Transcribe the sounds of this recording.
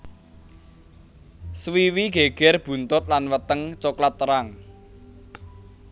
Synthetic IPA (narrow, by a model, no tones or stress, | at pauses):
swiwiɡ̥eɡ̥ɛrb̥ṳnt̪ʊt̪̚lanwət̪əŋt͡ʃoklat̪ːəɾaŋ